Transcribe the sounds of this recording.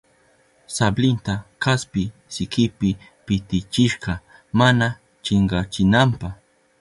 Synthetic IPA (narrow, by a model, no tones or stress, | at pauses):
sablɪnt̪akaspɪsɪkɪpɪ | pɪt̪ɪt͡ʃɪʃqɑ | mana | t͡ʃɪɴɢɑt͡ʃɪnampaχ